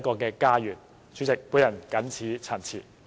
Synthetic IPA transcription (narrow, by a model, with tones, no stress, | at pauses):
kɔː˧kɛː˧kaː˥jyː˨˩nʰ | yː˨˥t͡sɪ˨k̚puː˨˥jɐ˨˩nkɐ˨˥nt͡sʰiː˨˥t͡sʰɐ˨˩nt͡sʰiː˨˩